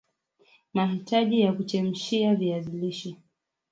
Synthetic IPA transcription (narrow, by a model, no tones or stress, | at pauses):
maɦitaʄijakut͡ʃɛm̩ʃiaviaziliʃi